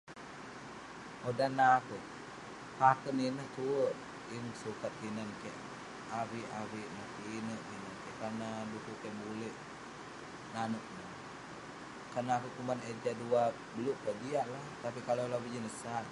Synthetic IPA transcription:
odanaːkuʔ | pakəninəht̪uəʔ | insukat̪̚kinənkaʔ | awiʔawiʔnəhtiinəʔt̪inənkaʔkanadukukaʔbuliʔ | nanuʔnəh | kanaːkuʔkumaned͡ʒadua | bəluʔkaʔdiaʔlaht̪apikalolawid͡ʒinəsaʔ

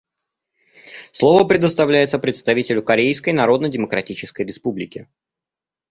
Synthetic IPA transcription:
slˠo̞vəpɾʲɪd̪əst̪ɐvlʲæjɪt̪səpɾʲɪt̪st̪ɐvʲitʲɪlʲʊkɐɾʲejskəjnɐɾo̞d̪nədʲɪməkɾɐtʲit͡ɕɪskəjɾʲɪspublʲɪkʲɪ

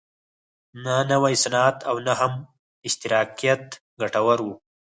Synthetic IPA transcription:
nanawajsanat̪awnaɦam | ɪʃt̪ɪɾɑːqijat̪ | ɡaʈawaɾwu

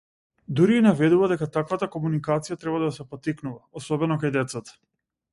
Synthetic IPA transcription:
d̪uɾiːnavɛd̪uvad̪ɛkat̪akvat̪akɔmunikat̪sijat̪ɾɛbad̪asɛpɔt̪iknuvaɔsɔbɛnɔkajd̪ɛt̪sat̪ḁ

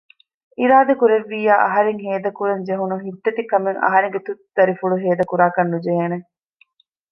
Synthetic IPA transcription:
iɾaːd̪ekuɾeʋːiːjaːʔɐɦɐɾeŋɦeːd̪ɐkuɾɐɲd͡ʒeɦunuɦit̪ːɐt̪ikɐmeŋɐ̰ɦɐɾeŋɡet̪ut̪d̪ɐɾifuɭuɦeːd̪ɐkuɾaːkɐnːud͡ʒeɦeːne

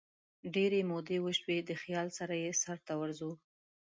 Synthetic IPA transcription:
ɖeɾemod̪ewəʃwed̪əxjɑlsaɾajesaɾt̪awəɾzu

